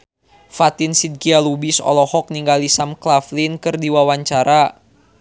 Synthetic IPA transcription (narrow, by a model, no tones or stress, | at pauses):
fat̪insid̪̚kialubisɔ̰lɔhɔk̚niŋɡalisamklaflinkɨrdiwawaɲt͡ʃaɾa